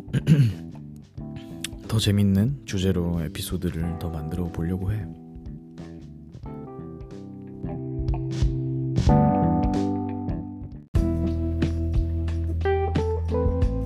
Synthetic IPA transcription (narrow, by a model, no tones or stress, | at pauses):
tʌt͡ɕe̞minːɯnt͡ɕud͡ʑe̞ɾoe̞̰pʰi̥sʰodɯɾɯɭtʌmandɯɾʌpoʎːʌɡoɦe̞